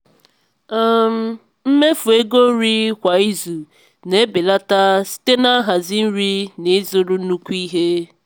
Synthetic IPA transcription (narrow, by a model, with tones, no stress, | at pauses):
a˦˨m̩˨ | m̩˦me˦fu˨e˦ɡo˦ɾi˦kʷa˨i˦zu˨ | ne˦be˨la˦ta˦si̥˦te˦na˦ɦa˨zi˦n̩˦ɾi˦ne˨˦zo˦ɾu˦nu˦kʷi˦ɦe˦